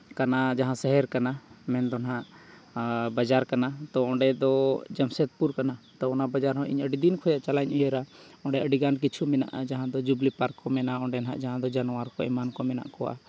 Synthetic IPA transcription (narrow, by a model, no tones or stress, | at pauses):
kanad͡ʒaɦãsɛɦɛɾkanamɛnd̪ɔnɦãʔ | bad͡ʒaɾkanat̪ɔɔ̃ɖɛd̪ɔd͡ʒamsɛt̪̚puɾkanat̪ɔɔnabad͡ʒaɾɦɔ̃ʔḭɲəɖid̪inkʰɔjaʔt͡ʃalaɲʔɔjɛɾaɔ̃ɳɖɛəɖiɡank̬it͡ʃʰumɛna̰ʔad͡ʒaɦãd̪ɔd͡ʒublipaɾkːɔmɛnaɔ̃ɳɖɛnɦa̰ʔd͡ʒaɦãd̪ɔd͡ʒanɔwaɾkɔɛmankɔmɛna̰ʔkɔwa̰